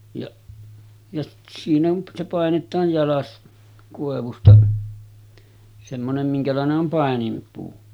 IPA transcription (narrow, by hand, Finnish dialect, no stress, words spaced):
jɑʔ jɑ siːn on se pɑˑenetˑɑːj jɑlɑs koˑeʋustɑ semːonem miŋkælɑˑeneʔ ʔom pɑˑenimpuː